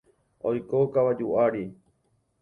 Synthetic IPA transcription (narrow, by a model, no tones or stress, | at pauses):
ojkokaʋad͡ʒuʔaɾi